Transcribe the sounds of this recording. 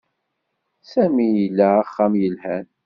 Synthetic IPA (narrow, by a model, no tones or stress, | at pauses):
sæmijəlːæːχːamjəlhæn